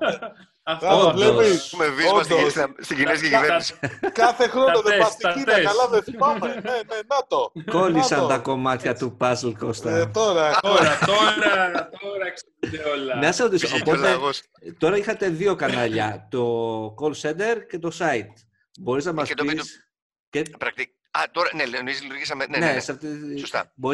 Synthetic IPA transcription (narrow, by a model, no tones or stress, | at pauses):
ovleisumeviosd̪osst̪iɟiniscecivenisi̥kɐθe̞xɾonoðebɐst̪ikinɐɐlɐvefipɐmeenenɐt̪oko̞lissɐnt̪ɐko̞mɐt̪çɐt̪upɐslkost̪ɐt̪oɾɐko | ɾ | olneɐseɾot̪isoopo̞leɣos | t̪o̞ɾɐixɐt̪e̞ðio̞kɐnɐʎɐt̪okolsend̪e̞ɾce̞t̪o̞sɐit̪ | bo̞ɾiznɐmɐset̪ois | cepɾɐk̚t̪i | ɐ̰t̪oɾɐnelenoizlɾʝisɐmenenesɐft̪isost̪ɐ̰boɾ